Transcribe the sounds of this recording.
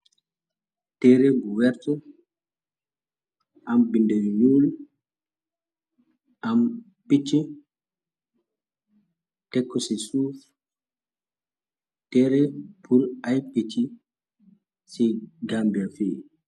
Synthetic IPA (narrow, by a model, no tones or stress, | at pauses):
tɛɾɛbuwɛɾtɔ | ambindɛɾɲuːl | am | pit͡ʃːi | tɛkːɔsisuf | tɛɾɛpʰuɾajpit͡ʃːi | siɡambiafi